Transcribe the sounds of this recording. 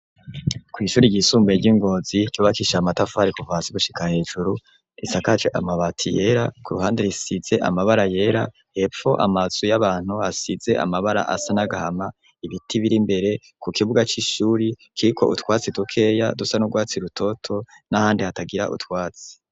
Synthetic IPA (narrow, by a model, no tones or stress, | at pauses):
kwiːʃuːɾiɟisuːmbeɟiŋɡo̞ziɟoːβakiʃamatafaɾikuvaːsiɡuʃi̥kahe̞ːʒuɾu | isakat͡ʃeʔa̰maβatʰije̞ɾakuɾuɦaːndeɾisiz̥e̞ʔa̰maβaɾaje̞ɾa̰ | he̞p͡fo̞ʔa̰maz̥ujaβaːn̥huasize̞ʔa̰maβaɾa̰ʔa̰sanaɡahama | iβitʰiβiɾimbe̞ɾe̞ | kukʰiβuɡat͡ʃiʃuːɾikʰiɾikʰo̞̰ʔṵtwaːt͡sidukʰe̞ːja̰dusanuɾɡwaːt͡siɾutʰo̞tʰo̞ | nahaːndihataɡiɾa̰ʔṵtwaːt͡si̥